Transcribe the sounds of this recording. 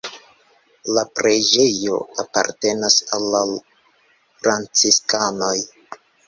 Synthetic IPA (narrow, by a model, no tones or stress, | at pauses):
lapɾed͡ʒe̞jo̞̰apa̰ɾte̞nasalːa | fɾant͡siskano̞j